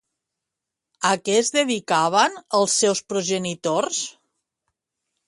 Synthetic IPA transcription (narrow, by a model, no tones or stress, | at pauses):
əkɛzðəðikaβ̞ənəlˠsːɛwspɾuʒənit̪ors